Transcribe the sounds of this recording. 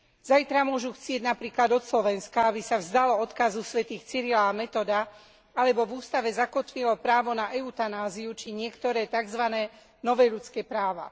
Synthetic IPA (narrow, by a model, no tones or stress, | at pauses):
z̥ajt̪ɾamʊɔʒuxt͡sɪɛɟnapɾiːklad̪ɔt̪slɔʋɛnskaabisavzd̪alɔɔt̪kazusʋɛt̪iːxt͡siɾilaːmɛt̪ɔd̪a | alɛbɔvuːst̪aʋɛzakɔt̪ʋilɔpɾaːʋɔnaʔɛut̪anaːziut͡ʃiɲɪɛkt̪ɔɾɛːt̪aɡzʋanɛː | nɔʋɛːʎut͡skɛːpɾaːʋa̰